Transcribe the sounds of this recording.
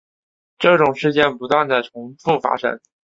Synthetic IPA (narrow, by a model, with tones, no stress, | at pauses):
ʈ͡ʂɤ˥˩ʈ͡ʂʊ˨˩ŋʂɻ̩˥˧t͡ɕjɛ˥˩npu˧˥t̪wa˥˧nd̪a˨˩ɪʈ͡ʂʰʊ˧˥ŋfu˥˩fa̰˥ʂə̰˧˥n